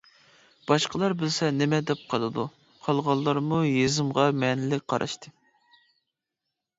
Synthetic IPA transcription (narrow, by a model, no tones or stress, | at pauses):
b̥ɑʃqəlˠɑɾbɪlsɛnɪmɛd̪ɛp̚qʰɑlˠɨd̪u | qʰɑlˠʁɑlˠːɑɾmujezɪmʁɑmɛnɪlɪk̚ʲqʰɑɾʔɑ̰ʃt̪ʰɨ